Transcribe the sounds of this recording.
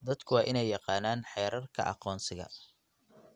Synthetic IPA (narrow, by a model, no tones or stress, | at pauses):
d̪ɐd̪kʰʊwɑːʔɪnɛjːɑqɑːnaːnħɛjɾɐrkʰɐ̰ʔɑ̰qɔːnsɪɣɐ̰